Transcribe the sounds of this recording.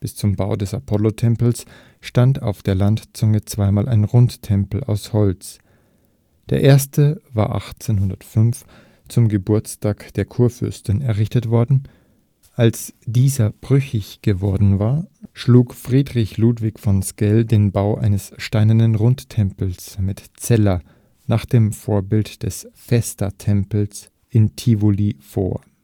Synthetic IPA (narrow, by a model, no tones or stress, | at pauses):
b̥ɪst͡sʊmbaʊdɛsapʰɔlotʰɛmpl̩s | ʃtanta̰ʊfd̥eːɐlantt͡sʊŋət͡sv̥aɪmaːlʔaɪnʁʊnttʰɛmpl̩a̰ʊshɔlt͡s | d̥eːɐʔeːɐstəva̰ːɐʔa̰χt͡seːnɦʊndɐtfʏnf | t͡sʊmɡəbʊɐt͡staːkd̥eːɐkʰuːɐfʏ̰ɐstnɛɐʁɪçtətv̥ɔɐdn̩ | ʔalsd̥iːzɐb̥ʁʏçɪçɡ̥əvɔɐdn̩vaːɐʃluːkfʁ̥iːdʁɪçluːtv̥ɪçfɔnskɛldeːnbaʊʔa̰ɪnəsʃtaɪnəndənʁʊnttʰɛmpl̩smɪtt͡sɛlɐ | naːχd̥eːmfoːɐbɪltd̥ɛsfɛstɐtʰɛmpl̩s | ʔɪntʰivolifo̰ːɐ